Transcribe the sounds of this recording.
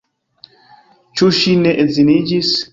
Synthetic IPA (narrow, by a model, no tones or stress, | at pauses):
t͡ʃuʃinɛʔezinid͡ʒis